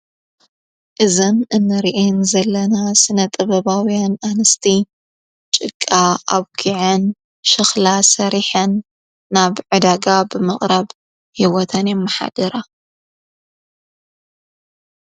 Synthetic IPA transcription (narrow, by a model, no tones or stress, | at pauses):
ʔɨzɐmɨnːɐɾiʔenzɐlːɐnasɨnɐt̪ʼɐβɐβawijananɨst̪ʰi | t͡ʃʼɨkʼːaʔaβɡʰiʕɐn | ʃɨxlasɐɾiħɐnː | aβʕɨd̪aɡabɨmɐχʼɾɐβ | hiwɔt̪ʰɐnjɛmːɐħa̰d̪ɐɾa